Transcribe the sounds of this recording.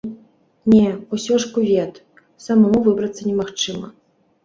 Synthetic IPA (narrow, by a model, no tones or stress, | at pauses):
nʲɛusʲɔʂkuvʲɛt̪ | sɐmamuvɨbɾɐt̪sːɐnʲɛmaxt͡ʂɨmɐ̰